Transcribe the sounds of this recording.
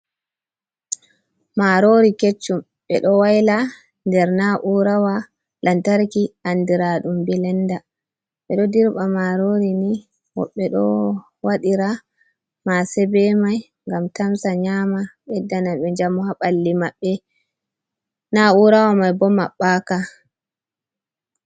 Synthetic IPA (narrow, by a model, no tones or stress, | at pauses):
maɾoɾiket͡ʃːum | ɓɛ̰ɗɔwajla | ndɛɾnaʔuɾawa | lʔantaɾkiʔandiɾaɗumbilɛnda | ɓɛɗɔdiɾɓamaɾoɾini | wɔ̰ɓːɛɗɔ̰ | waɗiɾa | masɛbɛmaj | ŋɡamtamsaɲamaɓɛdːanaɓɛd͡ʒamuhaɓalːimaɓːɛ | nauɾawamajbɔmaɓːaka